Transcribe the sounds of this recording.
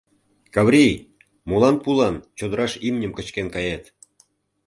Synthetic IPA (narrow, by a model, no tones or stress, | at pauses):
kɑβrʲij | mulɑnpulɑnt͡ɕod̪əɾɑʃimnʲəmkə̆t͡ɕkenkɑjet̪